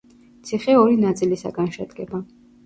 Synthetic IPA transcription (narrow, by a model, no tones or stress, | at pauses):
t̪sʰiχɛɔɾinat̪sʼilisa̰ɡanʃɛd̪ɡɛba